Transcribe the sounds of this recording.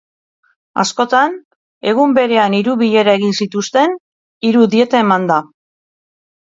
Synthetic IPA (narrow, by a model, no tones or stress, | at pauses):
a̰sko̞t̪an | e̞ɣ̞umbe̞ɾe̞aniɾuβiʎe̞ɾae̞ɣinsit̪ust̪e̞n | iɾuðie̞t̪ae̞mand̪a